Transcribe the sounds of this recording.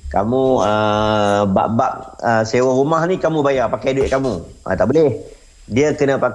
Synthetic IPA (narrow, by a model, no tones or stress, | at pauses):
ka̰mũə | ba̰ʔbaʔ̚əsewaɾumahnikamũbajarpakajduɪt̪ʔ̚kamũʔã̰t̪a̰ʔboleh | diəkənə̃pa